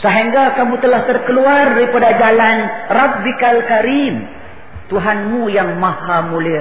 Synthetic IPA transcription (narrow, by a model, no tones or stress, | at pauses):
səɦiŋɡakamũt̪əlaht̪ərkəluardipadad͡ʒalanrabːikalkaɾim | t̪uɦanmujaŋmahamuli